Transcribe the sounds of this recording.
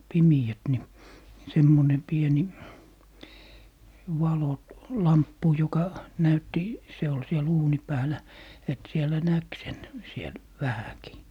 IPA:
pimiæt ni semːone pieni ʋɑlo lɑmpːu jokɑ næytːi se ol siɛl uːni pæːlæ et sielæ næk sen siel ʋæhæki

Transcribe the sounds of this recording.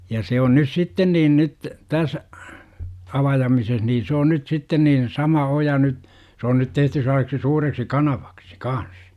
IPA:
jɑ se on nys sitːen niːn nyt tæs ɑʋɑjɑmises niː se on nyt sitːen niːn sɑmɑ ojɑ nyt se on nyt tehty selːɑseksi suːreksi kɑnɑʋ̥ɑ̥ksi̥ kɑns

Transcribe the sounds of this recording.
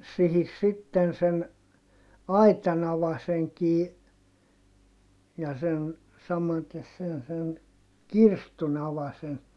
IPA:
sihis sitːen sen ɑitɑn ɑʋɑseŋkiː jɑ sen sɑmɑtes sen sen kirstun ɑʋɑsen

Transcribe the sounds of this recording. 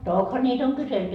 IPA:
tokhɑ nʲiːt oŋ kyselty

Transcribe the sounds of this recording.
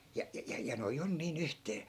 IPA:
jɑ jɑ jɑ noij on niːn yhteː

